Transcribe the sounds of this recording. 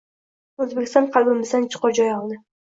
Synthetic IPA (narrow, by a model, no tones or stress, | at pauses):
ɵzbekʲɪst̪ɒɴqʰɑlˠbɪmɪzd̪ant͡ʃʰɨ̥qɑd͡ʒɒjɒlˠd̪ɪ